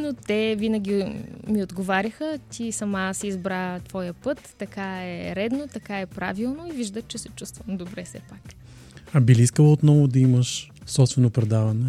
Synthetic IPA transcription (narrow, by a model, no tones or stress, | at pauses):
not̪ɛvinɐɡʲimiod̪ɡovaɾʲixət̪ʲisɐmasɛizbɾat̪v̥ɔjəpɤt̪ːɐkaɛɾɛd̪not̪ɐkaɛpɾa̰vilˠnoiviʒd̪ət͡ʃɛsɛt͡ʃust̪vɐnd̪obɾɛfsɛ̰pak | ɐbiliiskəlˠot̪nɔvʊd̪ɐiməʃ | sɔpst̪vɛnopɾɛd̪avɐnɛ